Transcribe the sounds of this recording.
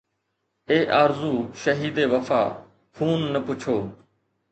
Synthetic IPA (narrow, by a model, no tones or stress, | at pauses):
eːʔaːɾzuːʃəɦiːd̪eːʋəfa̰ː | kʰuːnːəpʊt͡ʃʰoː